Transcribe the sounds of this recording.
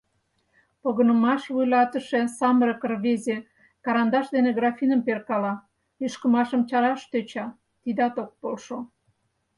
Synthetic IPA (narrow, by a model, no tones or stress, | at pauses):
poɣənə̆mɑʃβujlɑt̪əʃe̽sɑməɾəkərβeze | kɑɾɑnd̪ɑʃd̪eneɡrɑfinəmperkɑlɑ | yʃkəmɑʃəmt͡ɕɑɾɑʃt̪øt͡ɕɑ | t̪id̪ɑt̪ok̚polʃo